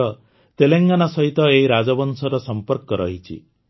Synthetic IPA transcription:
ɔ | t̪eleŋɡanasɔɦit̪ɔeɦiɾad͡ʒɔbɔnsɔɾɔsɔmpɔɾkɔɾɔɦit͡ʃʰḭ

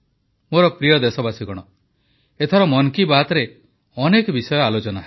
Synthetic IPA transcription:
moɾɔpɾijɔd̪esɔbasiɡɔɽ̃ɔ | et̪ʰɔɾɔmɔnkibat̪ɔɾe | ɔnekɔbisɔjɔalot͡ʃɔnaɦ

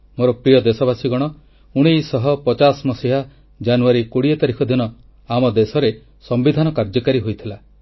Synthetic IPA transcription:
moɾɔpɾijɔd̪esɔbasiɡɔɽ̃ɔ | uɽ̃ijsɔɦɔpɔt͡ʃasmɔsiɦa | d͡ʒanuaɾikuɽiet̪aɾikʰɔd̪inɔ | amɔd̪esɔɾe | sɔmbid̪ʱanɔkaɾd͡ʒɔkaɾiɦojt̪ʰila

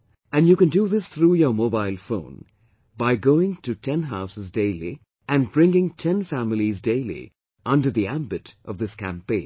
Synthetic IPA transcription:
ɨ̃njuːkɨ̃nduðɪsθɾujə˞moʊbaɪlˠfõ̰ʊ̃n | baɪɡoʊɪ̃ŋtʰɨtʰɛ̃nɦaʊsəzdeɪlḭ | ʔɨ̃nbɹɪ̃ŋɪ̃ŋtʰɛ̃nfæmɪlizdeɪlˠḭ | ʔʌ̃ndə˞ðiæ̃mbɨɾʔʌvðɪskʰæ̰̃mpẽɪ̃n

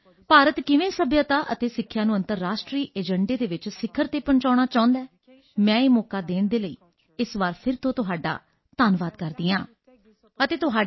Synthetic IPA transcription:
paːɾət̪kɪʋẽːsəbjaːt̪aːʔət̪eːsɪkʰːjãːnũːə̃nt̪əɾːaːʃʈɾiːʔeːd͡ʒəɳɖeːd̪eːʋɪt͡ʃsɪkʰːəɾt̪eːpəɳt͡ʃaːɽ̃aːt͡ʃaːʊ̃nd̪aɛː | mɛ̃ːeːmɔːkaːd̪eːɳd̪eːləiː | ɪsʋaːɾpʰɪɾt̪õːt̪ʊɦaːɖa̰ː | t̪aːnʋaːd̪kəɾd̪iːãː | ət̪eːt̪ʊɦaː

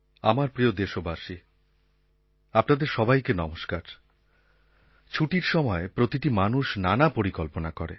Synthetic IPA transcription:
amaɾpɾiod̪eʃobʱaʃi | apnad̪eɾʃɔbajkenɔmoʃkaɾ | t͡ɕʰuʈiɾʃɔmɔepɾot̪iʈimanuʃnanapoɾikolponakɔɾḛ

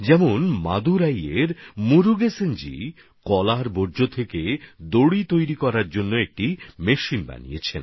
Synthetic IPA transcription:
d͡ʑɛmonmad̪uɾajeɾmuɾuɡesend͡ʑḭ | kɔlaɾboɾd͡ʑot̪ʰeked̪oɽit̪ojɾikɔɾaɾd͡ʑonːoek̚ʈimeʃinba̰nḭjḛt͡ɕʰḛn

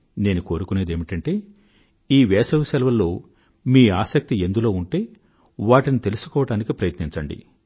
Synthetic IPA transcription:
ne̞ːnuko̞ːɾukune̞ːd̪eːmiʈɐɳʈe̞ː | iːʋɛːsɐʋusɛlʋɐlːo̞ː | miːaːsɐk̚t̪ie̞nd̪ulo̞ːuɳʈe̞ː | ʋaːʈinit̪e̞lusu̥kɔːʋɐɽaːnikipɾɐjɐt̪niɲt͡ʃɐɳɖḭ

